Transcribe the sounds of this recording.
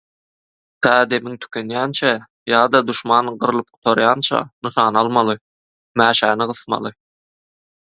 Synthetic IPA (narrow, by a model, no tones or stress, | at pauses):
t̪ʰæːd̪e̞miŋt̪ʰy̥kʲʰønjæːnt͡ʃʰæ | jɑːd̪ɑd̪uʃmɑːnɢɯɾɯlˠɯp̚qʰu̥t̪ʰoɾjɑnt͡ʃʰɑ̰nɯʃɑːnɑlˠmɑlˠɯ | mæːʃæːniʁɯθmɑ̰lˠɯ